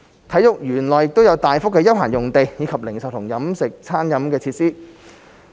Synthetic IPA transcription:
t̪ʰɐ˨˥jʊ˨k̚jyː˨˩nlɔː˨˩jɪ˨k̚t̪o˥wjɐ˨˧wt̪aː˨˩jfʊ˥kːɛː˧jɐ˥wɦaː˨˩njʊ˨˩ŋt̪e˨jjiː˨˧kʰɐ˨p̚lɪ˨˩ŋsɐ˨w̚t̪ʰʊ˨˩ŋjɐ˨˥msɪ˨k̚t͡sʰaː˥njɐ˨˥mkɛː˧t͡sʰiː˧t̚siː˥

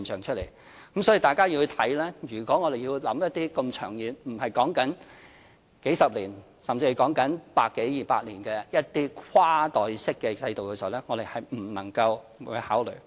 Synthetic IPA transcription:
i˨nsʰœ̰ː˨˩ŋt͡ʃʰɵ˥t̚le˨˩j | kɐ˨˥msɔː˨˥iː˨t̪aː˨jkaː˥ji˧wht̪ʰɐ˨˥jlɛː˥jyː˨˩kʷɔː˨˥ŋɔː˨˧ɾe˨jiː˧wlɐ˨˥mjɐ˥t̪̚iː˥kɐ˧mt͡ʃʰœː˨˩ŋjiː˨nm̩˨˩hɐ˨jkɔː˨˥ŋkɐ˨˥n | ke˨˥jsɐ˨p̚liː˨˩n | sɐ˨mt͡si˧˨˩kɔː˨˥ŋkɐ˨˥npaː˧kːe˨˥jjiː˨˩paː˧t̚liː˨˩nkɛː˧jɐ˥t̚t̪iː˥kʰwaː˥t̪ɔː˨jsɪ˥kːɛː˧t͡sɐ˧jt̪o˨wkɛː˧si˨wlɛː˥ŋɔː˨˧d̪e˨jhɐ˨jm̩˨˩nɐ̰˨˩ŋkɐ˧wwṵː˨˧˥haː˨˥wlɵ̰˨˩ɥ

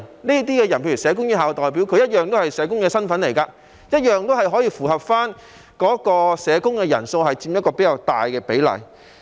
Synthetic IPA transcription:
niː˥t̪̬iː˥kɛː˧jɐ˨˩npʰe˧jy˨˩sɛː˨˧k̬ʊ˥ŋjiː˥ɦaː˨˩wt̪ɔː˨jp̬i˨˥wkʰɵ˧jɐ˥t̚jœː˨ŋt̪o˥whɐ˨jsɛː˨˧˥kʊ˥ŋkɛː˧sɐ˥nfɐ˨˥nle˨˩jkaː˧ | jɐ˥t̚jœː˨ŋt̪o˥whɐ˨jɦɔː˨˥jiː˧fuː˨˩hɐ˨p̚faː˥n | kɔː˨˥kɔː˧sɛː˨˧kʊ˥ŋkɛː˧jɐ˨˩nso˧whɐ˨jt͡siː˧mjɐ˥t̚kɔː˧pe˨˥jɐ˨˧wt̪aː˨jkɛː˧pe˨˥jlɐ̰˨˩j

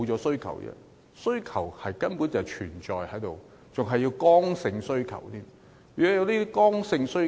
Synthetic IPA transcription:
wt͡sɔː˨˥sɵ˥ɥkʰɐ̰˨˩wjɛ̰˧ | sɵ˥ɥkʰɐ˨˩whɐ˨jkɐ˥npu˨˥nt͡sɐ˨˩t͡ʃʰyː˨˩nt͡ʃɔː˨jhɐ˨˥jt̪o˨w | t͡sʊ˨ŋɦɐ˨˩jːiː˧wkɔː˥ŋsɪ˧ŋsɵ˥ɥkʰɐ̰˨˩wt̪ʰiː˥m | yː˨˩kɔ˨˥jɐ˧wt̪iː˥kɔː˥ŋsɪ˧ŋsɵ˥

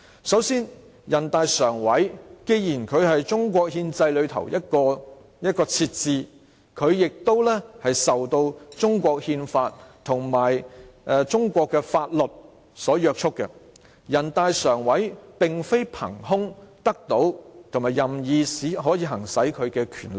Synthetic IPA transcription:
sɐ˨˥wsiː˥n | jɐ˨˩nt̪aː˧jsœː˨˩ŋwɐ˨˥jke˧jjiː˨˩nkʰɵ˨˧ɥhɐ˨jt͡ʃʊ˥ŋk̬ʷɔː˧k̚hiː˧nt͡sɐ˧jlɵ˨˧ɥt̪ʰɐ̰˨˩wjɐ˥t̚kɔː˧ | jɐ˥t̚kɔː˧t͡sʰiː˧t̚t͡siː˧ | kʰɵ˨˧ɥjɪ˨k̚t̪o˥wlɛ˥hɐ˨jsɐ˨wt̪o˧wt͡sʊ˥ŋkʷɔː˧k̚hiː˧nfaː˧t̚t̪ʰʊ˨˩ŋmaː˨˩jʔɛ˧t͡sʊ˥ŋkʷɔː˧kːɛː˧faː˧t̚lɵ˨t̚ | sɔː˨˥jœː˧k̚t͡ʃʰʊ˥kːɛ̰˧ | jɐ˨˩nt̪aː˧jsœː˨˩ŋwɐ˨˥jpɪ˨ŋfe˥jpʰɐ̰˨˩ŋhʊ˥ŋt̪ɐ˥k̚t̪o˨˥wt̪ʰʊ˨˩ŋmaː˨˩jɐ˨mjiː˨siː˨˥ɦɔː˨˥jiː˧ɦɐ˨˩ŋsɐ˨˥jkʰɵ˨˧ɥkɛː˧kʰyː˨˩nlɪ˨k̚

